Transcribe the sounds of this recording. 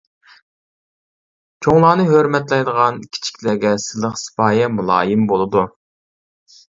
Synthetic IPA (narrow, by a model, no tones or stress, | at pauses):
t͡ʃʰoŋlˠɑːnɨɦøɾmɛt̪lɛjd̪əʁɑnkʲʰi̥t͡ʃʰi̥kʲlæɡʲɛsɨlˠəχsɨ̥pɑːjɛmulˠɑ̰ːjɪmbolˠɨd̪u